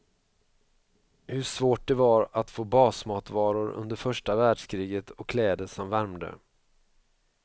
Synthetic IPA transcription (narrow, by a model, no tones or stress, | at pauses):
hɵʂvoːʈ̚d̪ɛvaɾat̪foːbɑːsmɑːt̪vɑːɾʊɾɵ̰nd̪əɾfœʂʈavæːɖʂkʰɾiːɡət̪ʰɔkʰːlɛːd̪əsɔmvæɾmd̪ə̰